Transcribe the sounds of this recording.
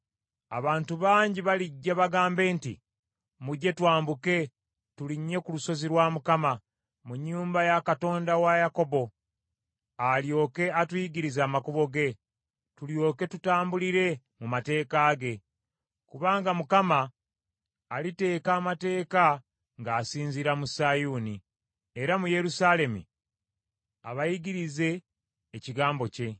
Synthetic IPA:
a̰βaːntuβaːɲɟiβaliɟːaβaɡaːmbe̞ːntḭ | muɟe̞twaːmbuke̞ | tuliɲːe̞kuluso̞ziɾwaːmukama | muɲːuːmbajakato̞ːndawajako̞bo̞ | aljo̞ːke̞atwiːɡiɾizaːmakuβo̞ɡe̞ | tuljo̞ːke̞tutaːmbuliɾe̞ | mumate̞ːkaːɡe̞ | kuβaːŋɡamukamaː | lite̞ːkaːmate̞ːka | ŋɡaːsiːɲziɾamusajuːni | e̞ɾamuje̞ɾusale̞mṵ | a̰βajiɡiɾize̞ː | ciɡaːmbo̞ce̞

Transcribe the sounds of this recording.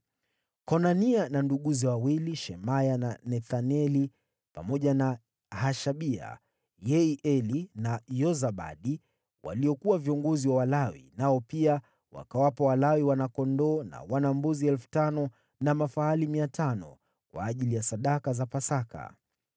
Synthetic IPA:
kɔnaniananduɠuziwawiliʃɛmajananɛθanɛli | pa̰mɔʄana | haʃaɓia̰ | jɛiʔɛlinajɔzaɓa̰ɗi | wa̰liɔkuwaviɔŋɡɔziwawalawḭnaɔpia | wa̰kawapawalawiwanakɔndɔna̰wanambuziɛlfu̥tanɔ | namafaalimiatʰanɔ̰ | kwa̰ːʄilijasaɗakazapasaka̰

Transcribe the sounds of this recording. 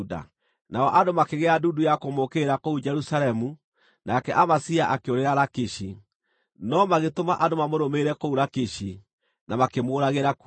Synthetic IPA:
da̰ | naɔʔadomakeɣɛadudujakomokeɾakoud͡ʒɛɾusaɾɛmu | nakɛʔamasiaʔakeoɾeɾaɾakeɕi | nɔmaɣetomaʔandomamoɾomeɾɛkouɾakeɕi | namakemoːɾaɣeɾak

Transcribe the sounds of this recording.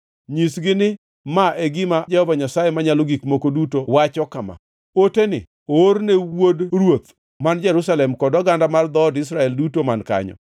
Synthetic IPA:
ɲisɡɪnɪ | maʔeɡɪmad͡ʒɛhɔvaɲasajemaɲalɔɡikmokodutowat͡ʃɔkama̰ | otenɪ̰ | ornewodrwot̪̚ | mand͡ʒɛɾusalɛmkɔdɔɡandamard̪ɔdɪs̬ɾaɛldutomanka̰ɲɔ̰

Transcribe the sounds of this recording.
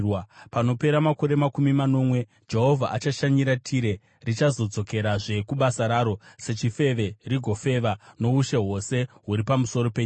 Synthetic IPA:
wpano̞pe̞ɾamako̞ɾe̞makumimano̞mwe̞ | d͡ʒe̞ɦo̞vʱaʔat͡ʃaʃaɲiɾatʰiɾe̞ | rit͡ʃazo̞d͡zo̞ke̞ɾaʐe̞kuɓasaɾaːɾo̞se̞t͡ʃife̞ʋe̞riɡʱo̞fe̞ʋano̞uʃe̞ɦo̞se̞ɦuɾipamuso̞ɾo̞peːɲ

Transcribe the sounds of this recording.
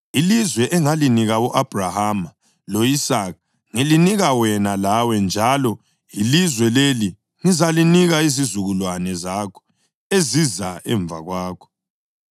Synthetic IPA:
ilizwɛʔɛŋaliniɣawɔʔab̥ʱrahama | loisaka | ŋiliniɣawɛnalawɛnd͡ʒʱalɔ | ilizwɛleli | ŋizaliniɣaizizuɣulwanɛzakʰɔ̥ | ezizaɛ̰ɱbvʱa̰ɣwaːkʰɔ̥

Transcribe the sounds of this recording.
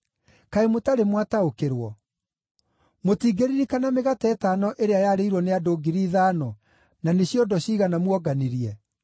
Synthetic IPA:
kaemotaɾemwataokeɾwɔ | motiːɡeɾiɾikanameɣatɛːtaːnɔʔeɾeajaɾeiɾwɔneadoːɡiɾiːðaːnɔ | naneɕjɔdɔɕiɣanamwɔɡaniɾiɛ

